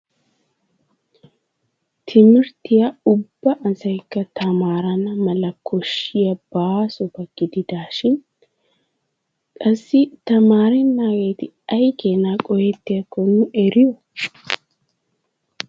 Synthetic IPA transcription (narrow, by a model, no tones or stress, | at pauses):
t̪ʰɪmɪɾt̪ɪjɐʊbːɐʔɐsɐɪkːɐt̪ʰɐmaːɾɐnɐmɐlɐkʰːɔʃɪjɐb̥aːsɔbɐkːɪd̪ɪd̪aːʃɪn | kʼɐsːɪt̪ɐmaːɾɛnːaːɡeːt̪ɪ | ɐjkeːnaːkʼɔjɛt̪ːɪɐkːɔnːʊʔɛɾɪʊ